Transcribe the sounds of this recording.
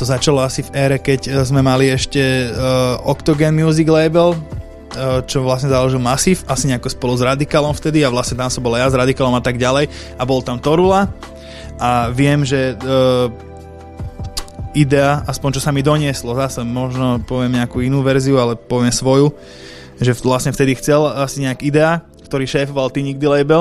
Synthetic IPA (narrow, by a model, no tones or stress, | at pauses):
t̪ɔzat͡ʃalɔasivɛɾɛkɛczmɛmaliɛʃcɛ | ɔkt̪ɔɡɛnmɪuːziɡlɛbɛlː | t͡ʃɔʋlasɲɛzalɔʒilmasiːfasiɲɛakɔspɔluzɾad̪ikaːlɔmft̪ɛd̪iaʋlasɲɛt̪amsɔmbɔlajazɾad̪ikaːlɔmat̪aɡɟalɛj | abɔlt̪amt̪ɔɾula | aʋɪɛmʒɛ | id̪ɛaʔaspɔɲt͡ʃɔsamid̪ɔɲɪɛslɔzasɛmɔʒnɔpɔʋɪɛmɲɛakuːinuːʋɛɾziualɛpɔʋɪɛmsʋɔju | ʒɛlasɲɛft̪ɛd̪ixt͡sɛlasiɲɛakid̪ɛa | kt̪ɔɾiːʃɛːfɔʋalt̪iɲiɡ̚d̪ilɛjbɛl